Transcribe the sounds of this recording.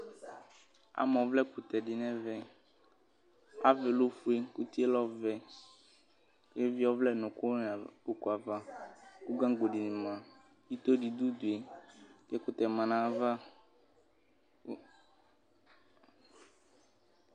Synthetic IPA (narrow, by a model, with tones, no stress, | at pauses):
a̰˨mɔ̃˨˦vlɛ˦ku˨t̪ɛ˨ɖi˨nɛ̃˦vɛ˦ | a̰˦ve˨lo˦fu˦e˦ku˦t̪i˦e˦lɔ˦vɛ˦ | ke˦vi˦ɔ˦vlɛ˦˨nũ˨ko˦n˨o˨ku˨a˨va˦ku˦ɡã˦ɡ͡bo˨ɖi˨nĩ˨mã˨ | ji˦t̪o˦ɖi˨d̪u˦d̪u˨e˨kɛ˦ku˨t̪ɛ˨mã˨nã˨va˦